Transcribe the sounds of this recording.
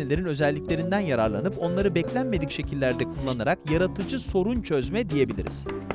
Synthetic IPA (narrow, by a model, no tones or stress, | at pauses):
elʲe̞ɾinø̞zɛlʲːiclʲe̞ɾind̪ænjaɾaɾlˠanɯpo̞nlˠaɾɯbɛclʲænme̞d̪icʃe̞cʰilʲːæɾd̪ɛkʰulˠːanaɾakjaɾat̪ʰɯd͡ʒɯso̞ɾunt͡ʃʰø̞zmɛd̪ije̞bilʲḭɾḭz̥